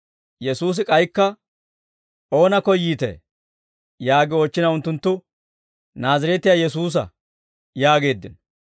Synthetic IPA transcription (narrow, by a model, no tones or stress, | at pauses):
jɛsuːs̬ɪkʼɐjkːɐ | ʔo̞ːnɐkɔjːiːt̪ḛː | jaːɡɪoːt͡ʃːɪnɐʊnt̪ːʊnt̪ːʊ | naːzɐɾɛt̪ːɪjaːjɛsuːs̬ɐ̰ | jaːɡe̞ːd̪ːɪ̰n